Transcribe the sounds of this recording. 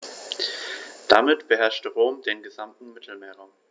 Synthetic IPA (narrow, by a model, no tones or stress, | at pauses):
d̥amɪtb̥əɦɛɐʃtəʁoːmdeːnɡəzamtn̩mɪtʰl̩meːɐʁaʊm